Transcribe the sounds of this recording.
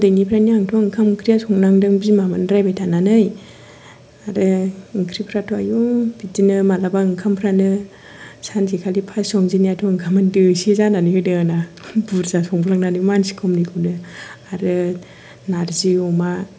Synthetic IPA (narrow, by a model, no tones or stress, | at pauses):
dɯjnipʰɾaniaŋtʰɔɯŋkʰamŋkʰɾijasɔŋnaŋdɯŋbimamɯnɾajbajtʰananɯj | aɾɯɯŋkʰɾipʰɾatʰɔa̰jɔŋbidinɯmalabaɯŋkʰampʰɾanɯ | sankʰikʰalipʰasɔŋziniatʰɔɯŋkʰamandɯsizananihɯdɯanabuɾzasɔŋbulaŋnanɯmansi̥kʰɔmnikʰɯnɯaɾɯ | naɾziɔma